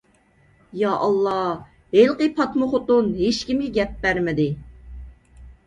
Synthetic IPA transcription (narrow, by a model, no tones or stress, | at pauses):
jɑʔɑlˠːɑ | ɦelˠqəpʰɑt̪mʊχʊt̪ʊnɦeʃkʲimɡʲɛɡʲɛp̚bæɾmɪd̪ɪ